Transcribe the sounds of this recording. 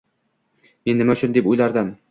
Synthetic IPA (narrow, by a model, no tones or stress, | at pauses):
me̞nːɪmaʊt͡ʃʰʊnd̪e̞pojlaɾd̪ɪm